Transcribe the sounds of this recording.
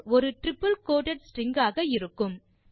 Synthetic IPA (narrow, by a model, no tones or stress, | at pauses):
ɔɾɯʈɾɪpːɐlkoːʈɐʈsʈɪŋɡaːɣɐɪɾɯkːɯm